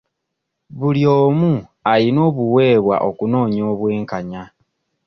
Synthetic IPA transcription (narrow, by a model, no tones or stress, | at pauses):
βuljoːmualino̞ːβuwe̞ːβwa̰ʔo̞kuno̞ːɲo̞ːβwe̞ːŋkaɲa